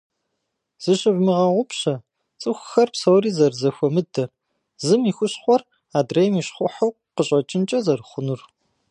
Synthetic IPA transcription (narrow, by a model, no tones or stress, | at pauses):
z̥ɨɕʼɪvmɨʁɐʁʷʊpɕɐ | t͡sʼɨxʷxɐrpsɐwɾiːzɐrzɐxʷɔmɨdɐr | zɨmiːxʷʊɕχʷɔr | aːdrejmiːɕχʷʊħɐw | qəɕʼɐt͡ʃʼɪnt͡ʃʼɐzɐrχʷʊnur